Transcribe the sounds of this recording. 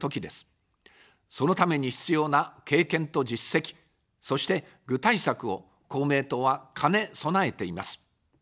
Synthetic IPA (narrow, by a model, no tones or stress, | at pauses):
o̞kʲid̪e̞sɨ̥ | so̞no̞t̪ame̞ɲ̟içi̥t͡sɨjo̞ːnake̞ːkẽ̞nt̪o̞d͡ʑisːe̞kʲi̥ | so̞ɕi̥t̪e̞ | ɡɯ̟t̪aisakɯ̟o̞ | ko̞ːme̞ːt̪o̞βakʰane̞so̞nae̞t̪e̞imasɨ̥